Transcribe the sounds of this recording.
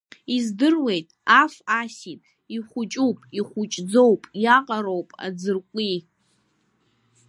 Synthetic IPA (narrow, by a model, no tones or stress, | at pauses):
izdɨrwe̞jtʼafasitʼ | iχʷʊt͡ʃʼupʼiχʷʊt͡ʃʼd͡zo̞wpʼjaqʼaɾo̞wpʼa̰d͡zɨrkʷʼi